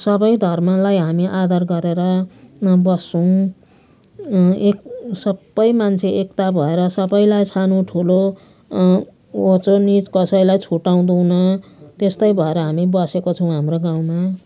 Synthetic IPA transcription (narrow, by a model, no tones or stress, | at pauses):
sʌbʌjd̪ʱʌrmʌlajɦamiʔad̪ʱʌrɡʌɾeɾʌ | bʌsʌw̃ | eksʌbːʌjmant͡sʰeʔekt̪abʱʌeɾʌsʌbʌjlajsʰanoʈʰulo | ot͡sonid͡zkʌsʌjlajt͡sʰuʈaw̃d̪uwnʌt̪est̪ʌjbʱʌeɾʌɦamibʌsekot͡sʰʌw̃ɦamroɡaw̃ma